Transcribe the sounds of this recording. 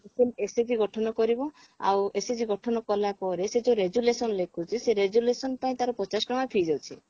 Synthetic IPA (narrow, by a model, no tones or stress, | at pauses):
eseesed͡ʒiɡɔʈʰɔnɔkɔɾibɔ | a̰wesed͡ʒiɡɔʈʰɔnɔkɔlapɔɾesed͡ʒoɾed͡ʒulesɔnlekʰut͡ʃʰiseɾed͡ʒulesɔnpaĩt̪aɾɔpɾɔt͡ʃasɔ̥kɾɔmapʰid͡ʒɔwt͡ʃʰi